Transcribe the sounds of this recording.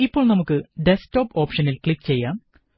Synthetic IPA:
ipːo̞ːɭnɐmukːɨɖe̞sto̞ːpo̞ːpʂɐnilkɭikːt͡ɕe̞jːaːm

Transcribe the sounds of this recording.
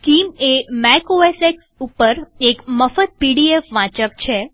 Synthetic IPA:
kimemɛkoeseksupəɾekməfət̪̚piɽiefʋãt͡ʃək̚t͡ʃʰe

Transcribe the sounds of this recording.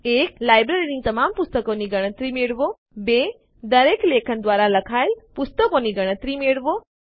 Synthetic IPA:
eklajbɾeɾinit̪əmampust̪əkoniɡəɽ̃ət̪ɾimeɭʋo | be | d̪əɾeklekʰənd̪ʋaɾaləkʰaelpust̪əkoniɡəɽ̃ə̃t̪ɾimeɭʋo

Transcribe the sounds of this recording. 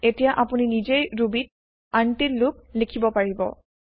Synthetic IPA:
etijaʔapuninizejɹubit̚ | antitlʊklikʰibɔpaɹibɔ̰

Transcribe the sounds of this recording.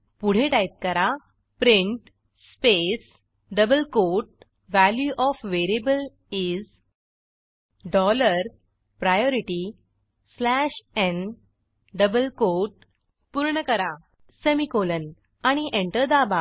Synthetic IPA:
puɽ̤eʈajt̪̚kəɾa | pɾĩɳʈ | spes | ɖəbəlkoʈ̚ | ʋæljuʔɔfʋeɾebəl | iz | ɖɔləɾ | pɾajɔɾiʈi | slæɕen | ɖəbəlkoʈ | puɾɳəkəɾa | semikolən | aɽ̃iʔẽɳʈəɾd̪aba

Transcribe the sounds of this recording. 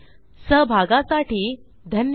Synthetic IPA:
səɦbʱaɡãsaʈiː | d̪ʱən

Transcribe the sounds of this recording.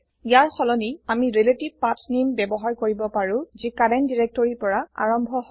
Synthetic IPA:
ijaɹxɔlɔniamiɹeletib̚patnimbɛbɔɦaɹkoɹibɔpaɹʊ̃zikadɛndiɹek̚tɔɹipɔɹaa̰ɹɔmbʱɔɦ

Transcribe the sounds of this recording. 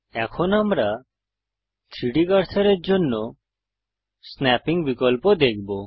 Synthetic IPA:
ɛkʰɔnamɾa | t̪ʰɾiɽikaɾtʰaɾeɾd͡ʒonːɔ | snɛpiŋbikɔlpɔd̪ek̚ʰbɔ

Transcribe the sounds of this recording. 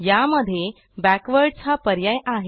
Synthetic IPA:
jaməd̪ʱːje | bækʋəɾɖt͡sʰapəɾjajaɦe

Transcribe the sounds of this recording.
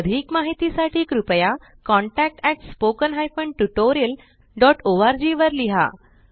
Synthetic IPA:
d̪ʱiːkmaɦit̪isaʈʰiːkɾupəja | kɔ̃ɳʈæk̚ʈɛk̚ʈspokənɦajfəɳʈuʈoɾiəl | ɖɔʈoʋaɾd͡ʑiʋəɾliɦa̰

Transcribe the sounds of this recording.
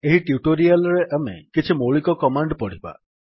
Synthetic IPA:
eɦiʈjuʈoɾialɾeʔemḛkit͡ʃʰimoɭikɔkɔmaɳɖpɔɽ̤iba̰

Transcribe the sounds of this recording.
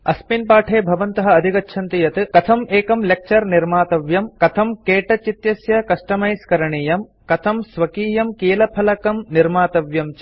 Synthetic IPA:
ɐ̰spinpaːʈʰeːbʱɐʋɐnt̪ɐɦɐɐd̪ʱikɐtːʃʰɐnt̪ijɐt̪ɨkɐt̪ʰɐmeːkɐmlek̚t͡ʃɐɾniɾmaːt̪ɐʋjɐmkɐt̪ʰɐmkeːʈɐt͡ʃit̪jɐsjɐkɐʂʈɐmɐjskɐɾɐɳiːjɐm | kɐt̪ʰɐmsʋɐkiːjɐmkeːlɐpʰɐlɐkɐmniɾmaːt̪ɐʋjɐmt͡ʃ

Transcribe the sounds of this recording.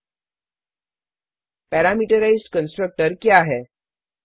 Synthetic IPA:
pɛɾamiʈəɾaizɖkənsʈɾək̚ʈəɾkjaɦɛ

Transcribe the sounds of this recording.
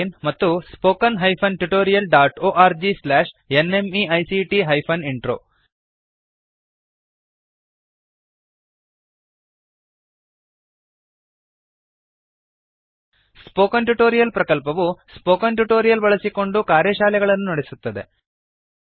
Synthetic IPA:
nmɐt̪ːuspoːkɐnɦɐjpʰɐnʈuʈo̞ːɾijɐlɖaːʈoːʔaːɾd͡ʒislaːʂene̞miɐjsiʈiɦɐjpʰɐniɳʈɾo̰ː | spoːkɐnʈuʈoːɾijɐlpɾɐkɐlpɐʋuspoːkɐnʈuʈo̞ːɾijɐlbɐɭɐsiko̞ɳɖukaːɾjɐʃaːlɛɡɐɭɐnːunɐɽesut̪ːɐd̪e̞̰

